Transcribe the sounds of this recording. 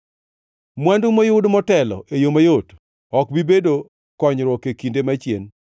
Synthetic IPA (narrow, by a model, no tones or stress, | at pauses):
mwandumojʊdmɔtɛlɔ̰ʔejomajot | ɔkbibedo | kɔɲɾɔkekindemat͡ʃjen